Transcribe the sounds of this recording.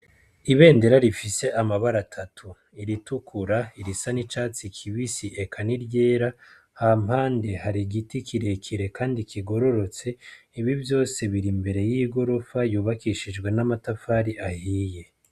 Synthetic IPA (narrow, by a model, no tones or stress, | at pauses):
iβe̞ːnde̞ɾaɾifise̞ʔamaβaɾatʰatʰu | iɾitukʰuɾaiɾisanit͡ʃaːt͡sikʰiβisiʔe̞kʰaniɾɟe̞ːɾa | hamhaːnde̞haɾiɡitikʰiɾe̞kʰiɾe̞kaːndikiɡo̞ɾo̞ɾo̞t͡se̞ | iβivjo̞ːse̞βiɾimbe̞ɾe̞jiːɡo̞ɾo̞fajuːβakiʃid͡ʒɡwe̞namatafaːɾiahije̞